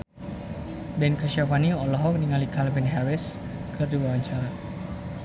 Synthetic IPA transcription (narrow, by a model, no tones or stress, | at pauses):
bɛnkaʃafaniɔlɔɦɔk̚niŋalikalvinɦɛɾɪskʰɨrduwaaɲt͡ʃaɾa